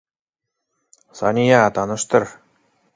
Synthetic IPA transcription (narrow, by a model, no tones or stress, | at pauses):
sɑ̰nʲijɑt̪ɑnɤ̆ʂt̪ɤ̆r